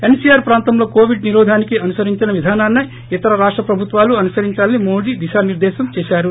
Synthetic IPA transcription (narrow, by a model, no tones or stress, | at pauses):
e̞nsijaːɾpɾaːnt̪ɐmlo̞ːkoːʋiɖ̚niɾɔːd̪ʱaːnikiɐnusɐɾiɲt͡ʃinɐʋid̪ʱaːnaːnːi | it̪ɐɾɐɾaːʂʈɾɐpɾɐbʱut̪ʋaːluɐnusɐɾiɲt͡ʃaːlɐnimoːɽid̪iʃaːniɾd̪ɛːʃɐmt͡ʃɛːʃaːɾu